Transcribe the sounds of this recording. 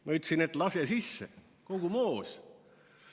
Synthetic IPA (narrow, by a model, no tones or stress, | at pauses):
mɑyt̪ːˑsinet̪ˑlɑsesisːḛ | ko̞ɡ̥umoːs